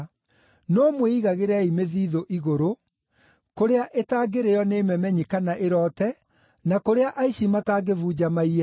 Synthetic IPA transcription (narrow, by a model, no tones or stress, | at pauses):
noːmweiɣaɣeɾɛimeðiːðoʔiɣoɾo | koɾeaʔetaːɡeɾejɔneːmɛmɛɲikanaʔeɾɔːtɛ | nakoɾeaʔaiɕimataɡevuːd͡ʑamaia